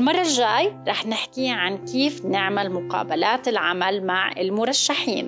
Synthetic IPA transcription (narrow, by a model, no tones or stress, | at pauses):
lmɑrˤːɑʒaːjɾˤɑːħnɪħkiʕankiːfnɪʕmalmʊqɑ̰ːbalaːt̪ɪlʕa̰malmaʕɪ̰lmʊɾˤɑʃːaħiːn